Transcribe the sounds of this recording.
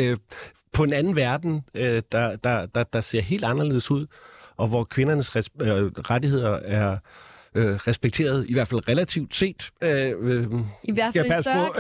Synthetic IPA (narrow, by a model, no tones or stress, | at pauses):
pʰɒ̽e̝nænn̩ʋæɐd̥n̩ød̥ɑ̈d̥ɑ̈d̥ɑ̈d̥ɑ̈se̝ɐ̰ɦe̝̰ld̥ɑ̈nɐle̝ːð̰ˠsuð̰ˠʔɒ̽ʋɒkʰʋe̝nɐnəs | ʁadihe̝ð̞̰ˠɐæɐ | ʁɛsb̥eɡ̥̚t͡sʰe̝̰ːɐð̞ˠiʋæɐd̥fæl̰ʁɛlæt͡sʰiʊd̥se̝̰ːd̥ø | æpæspʰɔ̽